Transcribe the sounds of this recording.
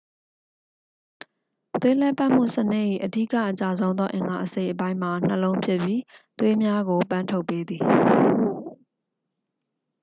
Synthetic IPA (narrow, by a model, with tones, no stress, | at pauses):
t̪we˦lɛ˦˨pa˦ʔm̥ṵ˦˨sənɪ˦ʔḭ˦˨ʔədi˦˨ka̰˦˨t͡ɕa˨zõ˦ʊ̃nd̪ɔ˦ʔɪ̃˨ŋɡa˨ʔəse˦ɪʔəp̬ã˦ɪ̃m̥a˨n̥əlõ˦ʊ̃mpʰjɪ˦ʔpji˦t̪we˦mja˦ɡo˨pã˦˨ntʰo˦ʊpːe˦d̪ði˨